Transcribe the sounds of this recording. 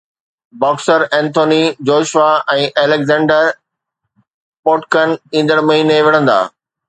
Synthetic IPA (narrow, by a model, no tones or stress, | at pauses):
bɔːksəɾɛ̃ːnt̪ʰoːnid͡ʑoːʃʋaɛ̃ːʔeːleɡzɛ̃ːɳɖəɾ | poːʈkənĩːn̆d̪əɽ̃mɐɦiːneʋɪɽ̤ə̃nd̪a̰ː